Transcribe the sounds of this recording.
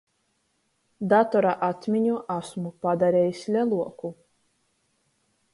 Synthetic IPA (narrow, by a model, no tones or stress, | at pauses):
d̪at̪ɔɾaʔat̪mʲiɲuʔasmupad̪aɾʲeːjisʲlʲɛlˠuɔku